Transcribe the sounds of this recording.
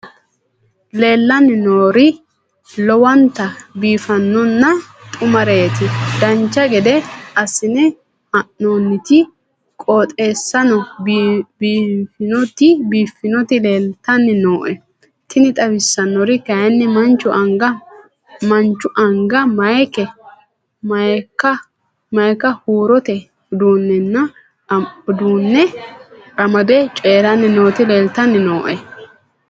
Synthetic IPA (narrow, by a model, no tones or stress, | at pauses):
le̞ːlːɐnːɪnoːɾɪ | lɔwɐnt̪ɐbiːfɐnːɔnːɐt̪ʼʊmɐɾejɛt̪ɪd̪ɐnt͡ʃːɐɡɛd̪ɛɐsɪnɛ | ɐʔnoːnːɪt̪ɪ | kʼoːt̪ʼe̞ːsːɐnɔ | bːfɪnɔt̪ɪbiːfːɪnɔt̪ɪle̞ːlt̪ːɐnːɪno̞ːʔɛ | t̪ʰɪnɪt̪ʼɐbɪsːɐnːɔɾɪkɐɐnːɪmɐnt͡ʃːʊʔɐŋɡɐ | mɐnt͡ʃːʊʔɐŋɡɐmɐjkɛ | mɐkːɐ | mɐjkɐhuːɾɔt̪ɛ | d̪uːnːɛnːɐ | d̪uːnːɛ | ɐmɐd̪ɛt͡ʃʼeːɾɐnːɪno̞ːt̪ɪleːlt̪ɐnːɪno̞ːʔɛ